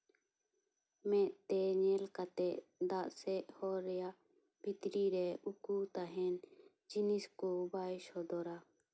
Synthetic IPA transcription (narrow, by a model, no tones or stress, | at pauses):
meːʔt̪eːɲeːlkat̪ed̪aːʔseʔhoːɾjaː | pɪt̪ɾiːɾeukuːt̪aɦɛn | d͡ʒɪniskobaːɪʃhoːd̪oːɾaː